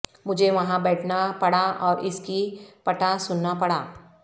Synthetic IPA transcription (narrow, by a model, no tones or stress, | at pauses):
mʊd͡ʒʱeʋɐɦãbɛːʈʰnapɐɽaɔːɾɪskipɐʈasʊnːapɐɽaː